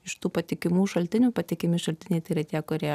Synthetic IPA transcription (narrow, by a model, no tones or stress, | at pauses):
ɪʃt̪uːpɐt̪ʲɪkʲɪmuːʃɐlʲt̪ʲɪnʲuːpɐt̪ʲɪkʲɪmʲɪʃɐlʲt̪ʲɪnʲɛɪt̪ɐɪɾɐt̪ʲæːkoːɾʲe